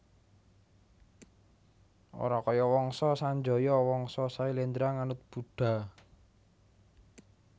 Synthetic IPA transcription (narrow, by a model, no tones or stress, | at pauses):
ʔo̰ɾakɔjɔwɔŋsɔsaɲd͡ʒɔjɔwɔŋsɔsailend̪ɾaŋanʊt̪̚b̥uɖ̥a̤